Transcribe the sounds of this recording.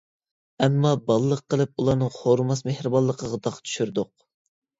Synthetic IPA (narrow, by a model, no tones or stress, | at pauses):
ɛmːɑbɑlˠəlˠəqʰːəlˠɨp̚ulˠɑɾnɨŋχoɾmɑs̬mehɾɨbɑlˠːəqʰəʁɑd̪ɑqt̪ʰy̥ʃyɾd̪ʊq̚